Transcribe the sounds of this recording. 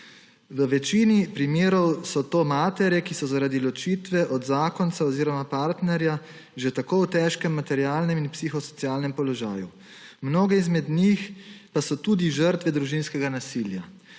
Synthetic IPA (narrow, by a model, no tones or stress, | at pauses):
ʋəʋɛt͡ʃinipɾimeːɾɔwsɔt̪oːmaːt̪ɛɾjɛkisɔzaɾaːd̪ilɔt͡ʃit̪ʋɛʔɔd̪zaːkɔnsaɔziːɾɔmapaɾt̪nɛɾja | ʒet̪akowt̪ɛːʃkɛmːat̪ɛɾjaːlnɛminpsixɔsɔ̥t̪sijaːlnɛmpɔlɔʒa̰ːju | mnoːɡɛizmɛd̪nixpasɔt̪ud̪iʒəɾt̪ʋɛd̪ɾuʒinskɛɡanasilja